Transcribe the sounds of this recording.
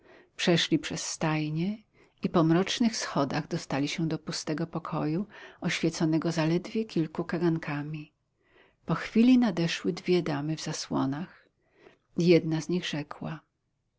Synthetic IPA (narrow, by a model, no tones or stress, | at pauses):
pʂɛʂlʲipʂɛsːt̪ajɲɛ | ipɔmɾɔt͡ʂnɘxsxɔd̪aɣd̪ɔst̪alʲiɕɛd̪ɔpust̪ɛɡɔpɔkʰɔjuɔɕfʲjɛt̪sɔnɛɡɔzalɛd̪vʲjɛkʲʰilkukaɡaŋkʰamʲi | pɔxfʲilʲinad̪ɛʂwɘd̪vʲjɛd̪amɘvzaswɔnax | jɛd̪nazɲiɣʐɛkwa̰